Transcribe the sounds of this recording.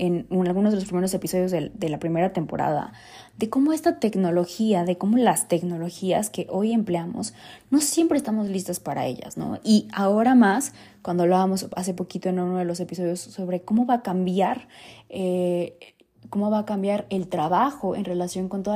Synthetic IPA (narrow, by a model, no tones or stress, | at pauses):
e̞nalɣunozðlospɾime̞ɾo̞se̞piso̞ð̞jo̞zðeðe̞lapɾime̞ɾat̪e̞mpo̞̰ɾa̰ða̰ | ðe̞ko̞mo̞e̞st̪at̪e̞kno̞lo̞xiaðe̞ko̞mo̞last̪e̞kno̞lo̞xia̰ske̞ʔo̞je̞mpleamo̰sno̞sje̞mpɾeːst̪amo̞zlist̪aspaɾa̰e̞̰ʝa̰zno̞̰iao̞ɾamas | kwand̪oaβlaβamo̞sa̰s̬e̞po̞kit̪o̞e̞nunoð̞e̞lo̞s̬e̞piso̞ðjo̞sːo̞βɾe̞ko̞mo̞βakambjaɾe | ko̞mo̞βakambjaɾe̞lt̪ɾaβaxo̞e̞̰nre̞lasjo̞ŋko̞nt̪o̞ð